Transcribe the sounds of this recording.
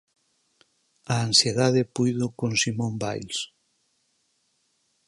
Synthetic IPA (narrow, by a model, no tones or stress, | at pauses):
ɐansjeðaðepujðʊkonsimõmba̰jls